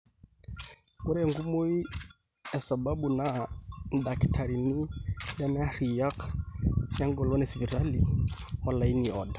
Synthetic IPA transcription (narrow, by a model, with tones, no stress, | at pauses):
u˦ɾɛŋɡu˦mo˦i˦ | ɛ˨sababunan̩da˨ktʰaɾi˨ni˦da˦na˦a˦ɾija˦k | ja˦ŋɡɔ˨lɔ˦nɛsiβi˨ɾa˦liɔ˨lai˦niɔ̰da˨